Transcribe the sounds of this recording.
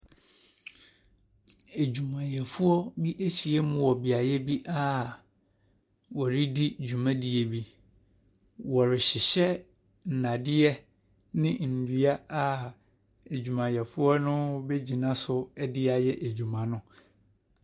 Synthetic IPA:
e˨d͡ʑu˨mã˨jɛ˨fʊ˦ɔ˦bi˦ʔe˦t͡ɕi˨ɛ˦mʊ̃˦˨wɔ˨bi˨a˨jɛ˦bi˦ʔa˦˨ | wɔ˨ɾɪ˦di˦d͡ʑᶣu˨mã˦di˨e˨bi˦ | wɔ˨ɾɪ˨ɕɪ˨ɕɛ˦ | n̩˨nã˨dɪ˦ɛ˦ | nɪ̃˦n̩˨dɥa˦a˦ | e˨d͡ʑᶣu˨mã˨jɛ˨fʊ˦ɔ˦nʊ̃˦be˦d͡ʑi˨nã˦sʊ˦ɛ˦dɪ˦a˨jɛ˦ʔe˨d͡ʑu˨mã˨nʊ̃˦

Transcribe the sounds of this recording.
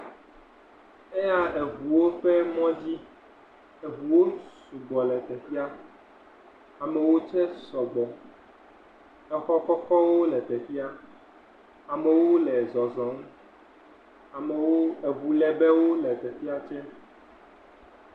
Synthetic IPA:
ɛ˦ja˦e˨vu˨wo˦ɸɛ˦mɔ̃˦d͡ʑi˦ | e˨vu˨wo˦su˨ɡ͡bɔ˨lɛ˨t̪ɛ˨fi˦a˦ | a˨mɛ˨wo˦t͡ʃɛ˦sɔ˨ɡ͡bɔ˨ | ɛ˦xɔ˦kɔ˦kɔ˦wo˦lɛ˨t̪ɛ˨fi˦a˦ | a˨mɛ˨wo˦lɛ˨zɔ˨zɔ˨˦ŋ̩˦ | a˨mɛ˨wo˦e˨vu˨lɛ˨bɛ˦wo˦lɛ˨t̪ɛ˨fi˦a˦t͡ʃɛ˦

